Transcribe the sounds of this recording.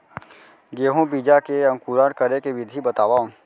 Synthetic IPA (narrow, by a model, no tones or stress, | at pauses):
ɡeːɦõbiːd͡ʒakeɐ̃ŋkuːɾaːɾkəɾekeʋɪd̪ʱibɐt̪aːʋã